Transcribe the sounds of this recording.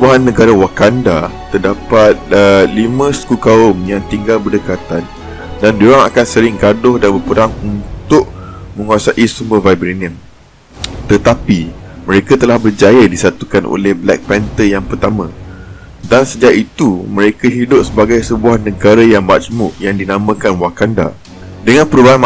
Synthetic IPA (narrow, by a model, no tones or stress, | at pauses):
səbuaɦanːə̃ɡaɾawakandat̪ərdapat̪̚əlimə̃sə̥kukaʊmjaŋt̪iŋɡalbərdəkat̪an | dandoɾaŋakansəɾɪŋɡadʊhdanbərpəɾaŋunt̪ʊʔmə̃ŋuasaʔisuməvajbɾiniə̃m | t̪ət̪apimə̃ɾekat̪əlahbərd͡ʒajadisat̪ukanʔo̰lɛhblɛ̰k̚pɛnt̪əjaŋpərt̪amã | dansəd͡ʒaʔit̪umə̃ɾekaɦidʊp̚səbaɡajsəbuahnə̃ɡaɾajaŋmat͡ʃmuʔjaŋdinamə̃kanwakanda̰ | dəŋãnpəɾubaanm